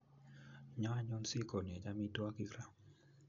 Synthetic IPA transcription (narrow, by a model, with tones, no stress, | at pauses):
ɲɔ˦a˦ɲɔ˦nsi˦ko˨n˨e˨d͡ʒa˦mi˦twa˦ki˦kɾa˦˨